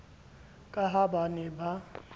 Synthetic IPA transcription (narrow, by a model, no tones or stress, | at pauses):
kʼaɦabanɛba